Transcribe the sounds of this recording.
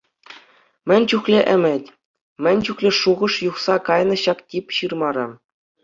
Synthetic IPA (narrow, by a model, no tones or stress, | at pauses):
mʲɘ̆nʲt͡ɕuχlʲeʔɘ̆mʲɘ̆tʲ | mʲɘ̆nʲt͡ɕuxlʲeʂuʁɤ̆ʂjuχsɑkɑjnɤ̆ɕɑktʲipʲɕɯrmɑɾɤ̆